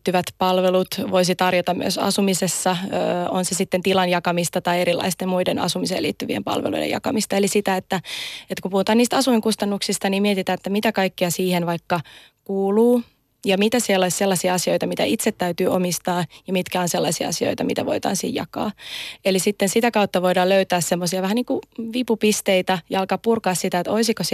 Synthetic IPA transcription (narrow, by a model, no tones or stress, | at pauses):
t̪ːyʋæt̪pɑlʋelut̪ʋoisit̪ɑrjot̪ɑmmy̰øsɑ̰sumisesːɑøonsesit̪ːent̪ilɑnjɑkɑmist̪ɑt̪ɑieɾilːˑɑ̰ist̪emmuidenɑ̰sumisḛːlḭːt̪ːyʋiḛmpɑ̰lʋḛlṵidḛjɑ̰kɑmist̪ɑelisit̪æet̪ːæet̪ːkumpuhut̪ɑːniːst̪ɑsuiŋkust̪ɑnːuksist̪ɑniːmmiet̪it̪æːet̪ːæmit̪ækɑikːiɑsiːhenʋɑikːɑ | kuːluː | jɑmit̪æselːɑsselːɑsiɑɑsioijt̪ɑmit̪æ̰it̪set̪tæyt̪yːʔo̰mist̪ɑːjɑmit̪kæonselːɑ̰siɑ̰ɑsio̰it̪ɑmit̪æʋoit̪ɑ̰ːnsḭːjɑ̰kɑ̰ːelisit̪ːensit̪ækɑut̪ːɑʋoidɑːløyt̪æːssemːosiɑʋæhæniːŋkuʋipupist̪eit̪æjɑɑlkɑːppurkɑːssit̪æet̪oisikos